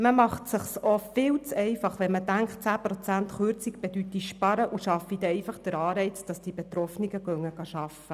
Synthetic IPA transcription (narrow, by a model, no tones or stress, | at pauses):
məmɑχtsəχsofɪwt͡sɛɪfɑχʋɛnmədæŋkχt̚t͡sæːpɾɔt͡sænt̪χøːɾt͡sikb̥ed̥̪yt̪iʃpɑɾəʔuʃɑfid̥̪ɛɛɪfɑχd̥̪əɾɑːɾɛɪt͡sd̥ɑsd̥ibet̪ɾɔfniɡəɡœŋəɡ̥ɑʃɑfə